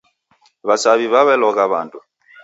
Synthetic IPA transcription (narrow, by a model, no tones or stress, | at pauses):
βasaβiβaβɛlɔkaβa̰ndu